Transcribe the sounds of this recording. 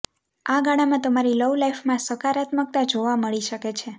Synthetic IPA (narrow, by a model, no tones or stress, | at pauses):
aɡaɽ̃amãt̪əmaɾiləwlaifmãsəkaɾat̪mək̚t̪ad͡ʒoʋaməɭiʃəket͡ʃʰe